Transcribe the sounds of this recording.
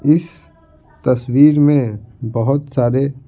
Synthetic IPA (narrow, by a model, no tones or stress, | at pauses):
ɪs | t̪ɐswiːɾmẽbəɦʊt̪saːɾe